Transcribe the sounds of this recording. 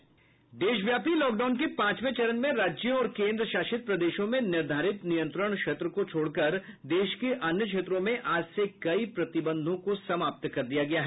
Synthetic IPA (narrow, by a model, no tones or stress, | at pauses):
d̪eːʃʋjaːpilɔːk̚ɖaːʊnkepãːt͡ʃmẽt͡ʃɐɾənmẽɾaːd͡ʒjəɔːɾkẽːnd̪ɾəʃaːʃɪt̪̚pɾɐd̪eːʃõmẽnɪɾd̪ʱaːɾɪt̪nijə̃nt̪ɾəɽ̃kʃeːt̪ɾəkot͡ʃʰoːɽkɐɾd̪eːʃkeʔɐnjəkʃeːt̪ɾõmẽʔaːd͡ʒsekɐipɾɐt̪ɪbə̃nd̪ʱõkosɐmaːp̚t̪kɐɾd̪ijaɡɐjaɦɛ